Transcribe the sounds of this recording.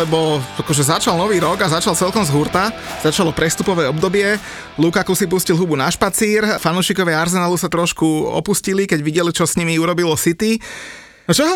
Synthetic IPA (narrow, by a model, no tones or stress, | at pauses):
ɛbɔakɔʒɛzat͡ʃalnɔʋiːɾɔɡazat͡ʃalt͡sɛlkɔmzɦuɾt̪a | z̥at͡ʃalɔpɾɛst̪upɔʋɛːɔbd̪ɔbɪɛ | lukakusipuscilˠɦubunaʃpat͡siːɾfanuːʃikɔʋɛaɾzɛnaːlusat̪ɾɔʃkuɔ̰puscilikɛɟʋiɟɛlit͡ʃɔsɲimiuɾɔbilɔsit̪i | t͡ʃɔɦ